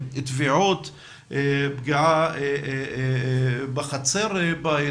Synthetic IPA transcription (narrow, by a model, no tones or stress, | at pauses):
t̪viʕot̪ | bɡiʕa | baχat͡seɾba